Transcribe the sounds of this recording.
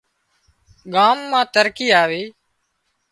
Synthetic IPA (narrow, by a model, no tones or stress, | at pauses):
ɠaːmːãːt̪əɾkiːaːʋeː